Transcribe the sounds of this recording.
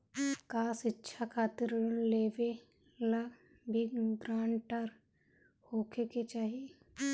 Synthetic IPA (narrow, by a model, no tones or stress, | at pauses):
kaːsɪtːʃʰakʰaːt̪ɪɾleːʋe | lɐɡ | bʱiɡɾaːɳʈəɾ | hoːkʰeket͡ʃaːɦie